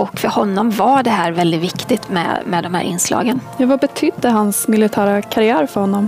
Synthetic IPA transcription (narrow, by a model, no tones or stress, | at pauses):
ɔkfœɾhɔnːɔmvaɖɛɦæːɾvɛld̪ɪt̪vɪkt̪ɪt̪mɛ̰mɛd̪ɔmhæ̰ːɾʔɪ̰nːslɑ̰ːɡənjɑːɡvabɛt̪ʰʏd̪ːəɦanssmɪlɪt̪ʰæːɾakʰaɾɪæːɾfœɾhɔnːɔm